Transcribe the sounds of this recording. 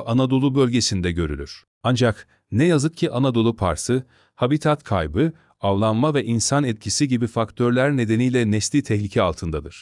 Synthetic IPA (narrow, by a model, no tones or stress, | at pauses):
anad̪o̞lˠubølʲɟe̞sind̪ɛɟø̞ɾy̰lʲyɾ̥ | and͡ʒak | nɛjazɯk̚cʰiʔanad̪o̞lˠupʰa̰ɾsɯ | habit̪ʰat̪kʰa̰jbɯ | avlˠanmavɛʔinsanɛt̪̚cʰisiɟibifakt̪ʰøɾlʲæɾne̞d̪e̞nijlʲɛnɛslʲiːt̪ʰɛçlʲicʰɛalˠt̪ʰɯnd̪ad̪ɯɾ̥